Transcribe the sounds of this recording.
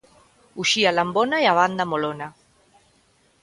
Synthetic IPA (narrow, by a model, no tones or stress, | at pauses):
uʃialambonajaβ̞and̪amolona